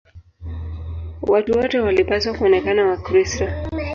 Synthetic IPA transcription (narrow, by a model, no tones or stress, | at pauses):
watuwɔtɛwalipaswakuɔnɛkanawakɾistɔ